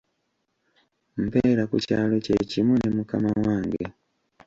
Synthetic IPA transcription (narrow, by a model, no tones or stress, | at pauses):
m̩peːɾakuca̰ːlo̞cecimunemukamawaːŋɡe